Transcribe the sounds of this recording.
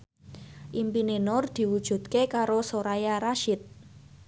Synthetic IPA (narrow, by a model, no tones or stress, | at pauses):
ʔimpinenɔrd̪̥i̤wud̥ʒ̥ṳt̪̚kekaɾosoɾajaɾaʃɪt̪̚